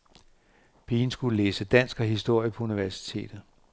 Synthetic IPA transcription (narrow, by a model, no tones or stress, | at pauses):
b̥ʰiːnsɡ̥ulleːsəd̥æn̰sɡ̥ɐɦisd̥o̝ɐ̰jəpʰɒ̽uniʋæɐsi̥t͡sʰe̝̰ːd̥ð̩ˠ